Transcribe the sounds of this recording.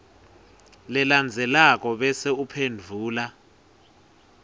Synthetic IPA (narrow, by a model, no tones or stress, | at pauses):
lɛland͡zʱɛlak̬ʼɔɓɛseupʰend͡vʱuːla